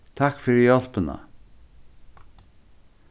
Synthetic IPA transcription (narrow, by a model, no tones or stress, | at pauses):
t̪ʰakfɪɾɪjɔl̥pɪna̰